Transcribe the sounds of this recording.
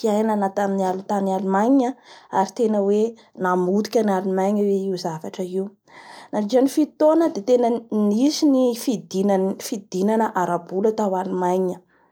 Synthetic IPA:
kiajnanat̪aminialut̪anialumajɲiɲaaɾit̪enəwe | namud̪i̥kʲanalumajɲəweiuzavaʈ͡ʂəiw | nad͡ʒianifit̪onəd̪et̪enənisinifid̪infid̪̥inanəʔaɾabulat̪awalumajɲə

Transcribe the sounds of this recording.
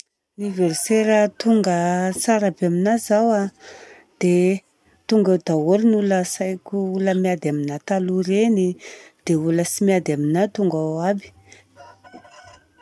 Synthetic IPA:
universeɾət̪uŋɡət͡saɾabaminazawa | d̪̥e | t̪uŋɡad̪awolinuləsajkʲuuləmiad̪aminat̪aluɾenid̪̥euləsimiad̪aminat̪uŋɡawabi̥

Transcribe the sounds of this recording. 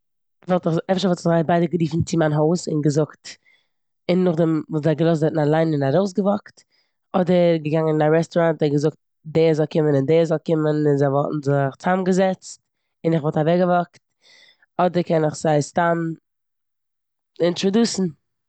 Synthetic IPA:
vɔlˠtɪχɛfʃəɾvɔlˠtɪχzaɪbaɪdəɡəɾiːfn̩t͡sɪmanɦoʊsɪ̰nɡəzʊkt | ɪnːʊχdɛmvuːszaɡəlˠɔs̬tɛtn̩alˠaɪnɪnaɾoʊs̬ɡəvɔkt | ɔdəɡəɡaŋənɪnaɾɛstɔɾantɛɡəzʊk̚t̚ | deːzɔlˠkʰɪmənɪndeːzɔlˠkɪmənɪnzaɪvɔlˠtn̩zɪχt͡samɡəzɛt͡st | ɪnɪχvɔlˠtavɛɡəvɔkt | ɔdəɾkɛnɪχz̥aɪstam | ɪntɾɔduːsn̩

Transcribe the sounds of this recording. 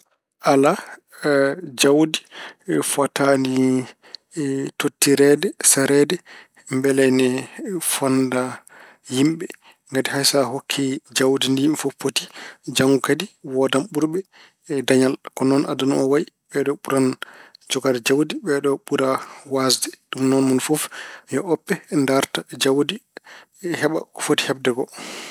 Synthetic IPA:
ʔala | d͡ʒawdifatani | totːiɾɛdɛsaɾɛdɛ | mbɛlɛnɛfɔnda | himɓɛ | ŋɡatihajsaɦokʰːid͡ʒawdindimfopʰːotid͡ʒaŋɡukadiwɔdamɓuɾɓɛ | daɲalkɔnɔnʔa̰danɔwai | bɛɗɔɓuɾand͡ʒɔɡadɛd͡ʒawdibɛɗɔɓuɾawasdɛɗumnɔnmunfɔfjɔʔɔpːɛndaɾtad͡ʒawdi | hɛɓa̰kɔ̥foti̥hɛb̚dɛɡɔ

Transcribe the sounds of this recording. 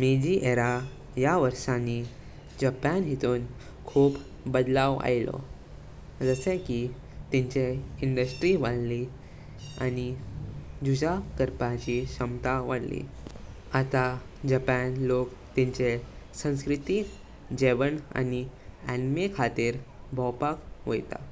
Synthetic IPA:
mid͡ʑiːʔeɾa | jaʋəɾʂani | d͡ʑapanɦit̪uːn | kʰuːb | bəd̪laʋa̰jlɔ̰ | d͡zəsẽki | t̪iɲt͡ɕeiɳɖəsʈɾiʋaɽli | a̰ni | d͡ʑud͡ʑakəɾpat͡ɕiɕəmt̪aʋaɽlḭ | at̪ad͡ʑapænlok | t̪iɲt͡ɕesə̃w̃skɾit̪iː | d͡ʑeʋəna̰niænmekʰat̪iːɾbʱɔwpakʋo̰jt̪a̰

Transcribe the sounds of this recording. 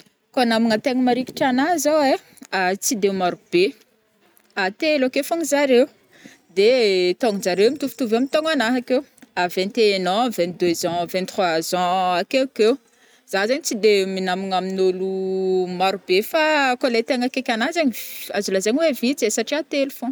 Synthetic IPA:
konamiŋət̪eŋmaɾiki̥ʈ͡ʂanazawe | at͡sid̪emaɾub̥e | at̪elakefaŋizaɾeu | d̪et̪ɔŋzaɾewmit̪ufu̥t̪uvamit̪ɔŋanaɦakewavɛ̃nt̪enɔ̃vɛ̃nt̪̚d̪øzɑ̃vɛ̃nt̪rwazɑ̃akekew | z̥azaɲit͡sid̪eminamiŋaminolumaɾubefakolejt̪eŋakekʲanazaɲiazulazaɲiwevit͡sesaʈ͡ʂiat̪elufɔ̃

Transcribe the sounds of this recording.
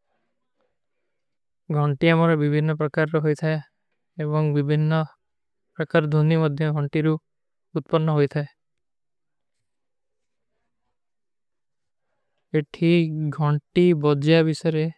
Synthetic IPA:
ɡʱɔɳʈiamɔɾɔbibʱinːɔpɾɔkaɾːɔɦojt̪ʰae | ebɔŋbibʱinːɔ | pɾɔkaɾd̪ʱunimɔd̪ʱjɔɡʱɔɳʈiɾu | ut̪pɔnːɔɦojt̪ʰae | eʈʰiɡʱɔɳʈibɔd͡ʒjabisɔɾe

